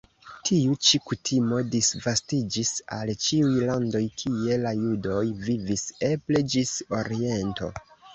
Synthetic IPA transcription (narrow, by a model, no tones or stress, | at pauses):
tʰiut͡ʃikutʰimo̞disvastid͡ʒisa̰lt͡ʃiujlando̞jkʰie̞lajudo̞jvivise̞pled͡ʒiso̞ɾie̞nto̞̰